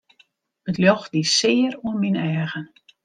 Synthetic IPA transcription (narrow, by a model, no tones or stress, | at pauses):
ətljɔxdisɪəruənminɛːɣən